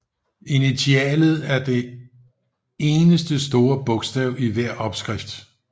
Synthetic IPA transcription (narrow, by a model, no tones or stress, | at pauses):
init͡sʰiɛ̰ːlð̞̩ˠæɐd̥e̝ | e̝ːnəsd̥əsd̥o̝ːɐb̥ɔ̽ɡ̥sd̥ɛʊiʋæɐ̰ʔɒ̽b̥sɡ̥ʁifd̥